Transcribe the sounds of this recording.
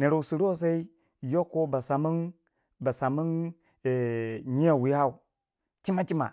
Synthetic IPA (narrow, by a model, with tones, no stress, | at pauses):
ne˨ɾo˨u˨si˨ɾo˦s̬a˦i˦ | jo˦kːo˦ba˨sa˨mu˦n | ba˨sa˨mu˦n | e˨ɲi˦a˦˨wi˦ha˦u˨ | t͡ʃi˦ma˦t͡ʃi˦ma̰˨